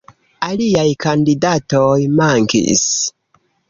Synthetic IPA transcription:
aliajkandidatojmaŋkḭs

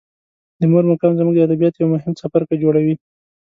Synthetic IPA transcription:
d̪əmoɾmʊkɑnzəmuɡd̪əad̪abijɑt̪jawmʊɦɪmsafaɾkad͡ʒoɽawi

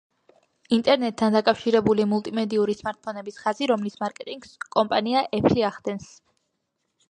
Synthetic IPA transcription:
int̪ʼɛɾnɛt̪ʼʰːand̪akʼafʃiɾɛbulimulˠt̪ʼimɛd̪iuɾismaɾt̪̚pʰɔnɛbisχaziɾɔmlismaɾkʼɛt̪ʼiŋɡskʼɔmpʼaniaʔɛpʰliaχd̪ɛns

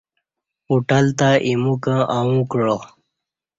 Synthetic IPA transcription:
uʈəlt̪aʔimukãʔawũkɻo

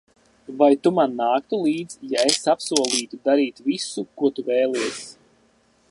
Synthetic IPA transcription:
vajt̪umanːaːkt̪ulˠiːd̪zjaesapsuɔlˠiːt̪ud̪aɾiːt̪visukuɔt̪uvɛːlˠiɛsʲ

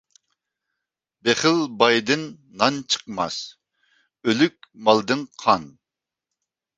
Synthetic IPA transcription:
beχɪlbɑjd̪ɪnː | ɑnt͡ʃʰə̥qmɑ̰s | ølykʲmɑlˠd̪ɨnqʰɑn

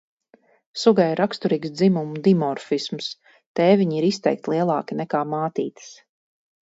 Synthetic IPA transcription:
suɡajiɾakst̪uɾiːksd̪zimumud̪imɔɾfisms | t̪ɛːviɲiɾist̪ɛ̰jk̚t̪ʲlˠiɛlˠɑːkinɛkaːmaːt̪iːt̪ɨ̥s

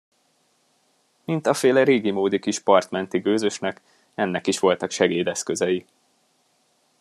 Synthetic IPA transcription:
mint̪ɒfeːlɛɾeːɡimoːd̪ikiʃpɒrt̪mɛnt̪iɡøːzø̞ʃnɛk | ɛnːɛkiʃʋo̞lt̪ɒkʃɛɡeːd̪ɛskø̞zɛji

